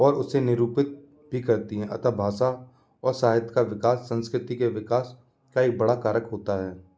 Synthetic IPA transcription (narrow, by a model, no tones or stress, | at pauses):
ɔːɾʊsːenɪɾuːpɪt̪̚ | bʱikɐɾt̪iɦɛ̃ʔɐ̰t̪abʱaːʃa | ɔːɾsaːɦɪt̪kaʋɪkaːsːɐ̃nskɾɪt̪ikeʋɪkaːs | kaibɐɽakaːɾəkɦoːt̪aɦɛː